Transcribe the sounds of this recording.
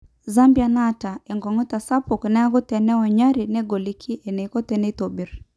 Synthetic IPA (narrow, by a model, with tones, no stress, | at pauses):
za˦mbja˨na˦ta˨ɛ˨ŋɡɔ˨ŋɔ˦ta˨sa˦pu˨knɛ˦a˦ɡʊ˦tɛ˨nɛ˦ɔ˨ɲa˦ɾi˨nɛ˦ɡo˨li˦kʰi˦ʔɛ˨nɛ˨i˨kɔ˦tɛ˨nɛ˦to˨bi˨˦ɾ